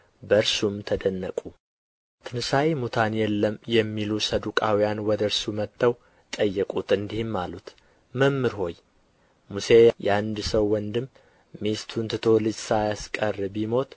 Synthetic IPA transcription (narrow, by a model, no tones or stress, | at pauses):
bəɾsumt̪ʰəd̪ənːəkʼu | t̪ʰɨnsajemut̪ʰanjɛlːəmjɛmːilusəd̪ukʼawijanwɔd̪əɾsumət̪ʰːəw | t̪ʼəjːɛkʼut̪ɨnd̪ihɪmːalut̪ | məmːɨɾɦo̞j | muse̞jʔɛand̪səwːɔnd̪ɨmː | est̪ʰunt̪ʰɨt̪ʰo̞lɨd͡ʒsajaskʼərːbimo̞t̪